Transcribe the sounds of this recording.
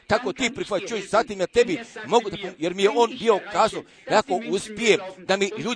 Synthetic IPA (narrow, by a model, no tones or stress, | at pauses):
t̪akot̪ipɾifat͡ʃuiʃsat̪imjat̪ebimoɡud̪ajɛɾmijeʔonbiokaso | jakoʔuspied̪amiʎu